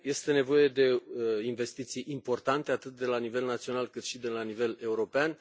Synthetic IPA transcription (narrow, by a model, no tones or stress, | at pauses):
je̞st̪e̞ne̞vo̞je̞d̪e̞inve̞st̪it̪sijʔimpo̞rt̪ant̪e̞at̪ɨt̪̚d̪e̞lanive̞lnat̪sio̞nalkɨt̪ʃid̪e̞lanive̞le̞uɾo̞pean